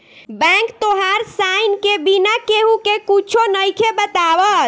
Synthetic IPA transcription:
bɛ̃kt̪oɦaɾsajnkebinakeɦukekut͡ʃʰonəjkʰebət̪abət̪

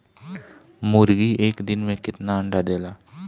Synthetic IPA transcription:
mʊɾɡiʔeːkd̪ɪnmẽkɪt̪naə̃ɳɖad̪eːlaː

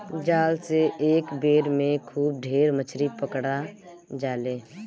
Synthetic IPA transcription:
d͡ʒaːlseeːkbeːɾmẽkʰuːb̚ɖʱeːɾmət͡ʃʰɾipəkɽa | d͡ʒaːleː

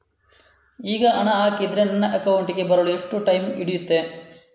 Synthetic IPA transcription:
iːɡɐʔɐnɐaːkid̪ɾenɐnːɐʔɐkɐwuɳʈiɡe̞bɐɾɐɭueʂʈːuʈɐjmiɽijut̪ːe

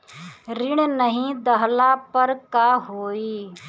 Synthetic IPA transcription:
ɾɪɽ̃nəɦĩd̪əɦlapəɾkaɦoːiː

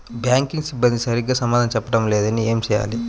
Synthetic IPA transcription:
bjaːŋkiŋɡsibːɐnd̪isɐɾiɡaːsɐmaːd̪ʱɐnɐt͡ʃɛpːɐʈɐmleːd̪ɐnieːmt͡ʃɛːja̰ːli

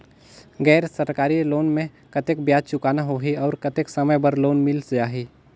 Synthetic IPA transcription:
ɡɛːɾsəɾkaːɾiloːnmẽ | kɐt̪ek̚bjaːd̪̚t͡ʃʊkaːnaɦoːɦiɔːɾkɐt̪eksɐməjbəɾloːnmɪlsd͡ʒaːɦi

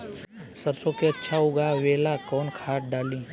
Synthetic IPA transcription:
səɾsõkeɐtːʃʰaɦʊɡaʋeːlakɔːnkʰaːʈɖaːlĩː

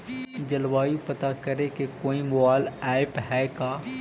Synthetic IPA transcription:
d͡ʒɐlwaːjũpɐt̪akɐɾekekoːimʊaːlɛːɪpɦɛːkaː

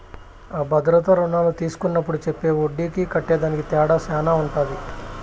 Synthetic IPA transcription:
aːbʱɐd̪ɾɐt̪ɐɾunaːlut̪iːsu̥kunːɐpːuɽut͡ʃepːe̞ːoɖːiːkikɐʈːɛːd̪aːnikit̪ɛːɽasaːnaːuɳʈaːd̪i

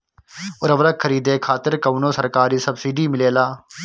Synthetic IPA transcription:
ʊɾəʋɾəkʰəɾiːd̪eːkʰaːt̪ɪɾkɐʋnosɐɾkaːɾiːsɐbsiːɖiːmɪleːlaː

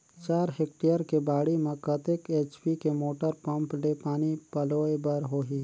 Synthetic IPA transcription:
t͡ʃaːɾɦeːk̚ʈijəɾkebaːɽimẽkət̪ekeːt͡ʃpikemoːʈəɾpɐ̃mplepaːnipɐloːebəɾɦoːɦiː

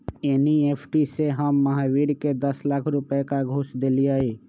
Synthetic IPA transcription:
eːnieːpʰʈiseɦəmːəɦaʋiːɽked̪əslaːkʰɾʊpekaɡʱoːsd̪eːliaːiː

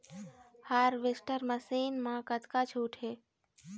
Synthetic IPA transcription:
haɾʋesʈəɾməsiːnmãkət̪kat͡ʃʰuʈʰe

